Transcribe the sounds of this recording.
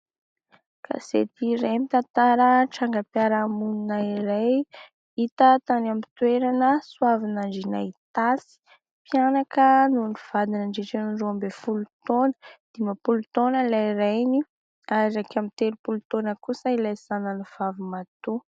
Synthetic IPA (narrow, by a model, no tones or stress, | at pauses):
kʰa̰zḛt̪iɾemit̪ant̪aɾəʈ͡ʂaŋɡəpiaɾamuninaiɾaj | it̪ət̪anamit̪weɾanəswavinaɳɖ͡ʐinait̪asi̥ | pianakənuniv̥ad̪inaɳɖ͡ʐiʈ͡ʂenuruambefulut̪onə̥d̪̥imapulut̪onəlaiɾajni | aɾiɾakamit̪eɾupulut̪onəkusəilajz̥anənuv̥avimat̪u